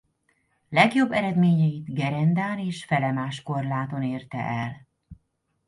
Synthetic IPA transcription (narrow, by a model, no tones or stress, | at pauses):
lɛɡjo̞bːɛɾɛd̪meːɲɛjid̪ɡɛɾɛnd̪aːneːʃfɛlɛmaːʃko̞rlaːt̪o̞neːrt̪ɛ̰ʔɛl